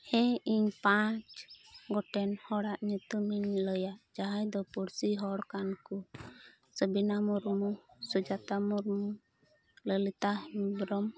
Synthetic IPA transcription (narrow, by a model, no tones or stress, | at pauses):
hɛ̃iɲpãt͡ʃɡɔʈɛnhɔɽaʔɲut̪umiɲləjaʔd͡ʒaɦajd̪ɔpuɽsiɦɔɽkanku | səbinamuɾmusud͡ʒat̪amuɾmu | ləlit̪aɦɛɲbɾɔm